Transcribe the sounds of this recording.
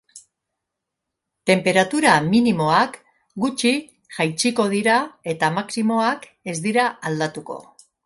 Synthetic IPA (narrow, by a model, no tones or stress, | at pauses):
t̪e̞mpe̞ɾat̪uɾaminimo̞ak | ɡut͡ʃi | ʝajt͡ʃiko̞ð̞iɾae̞t̪amaksimo̞ak | e̞zd̪iɾaald̪at̪uko̞̰